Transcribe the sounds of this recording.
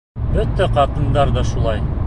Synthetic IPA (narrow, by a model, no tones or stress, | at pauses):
øt̪ːeqʰɑt̪ənd̪ɑɾd̪ɑʃulˠɑj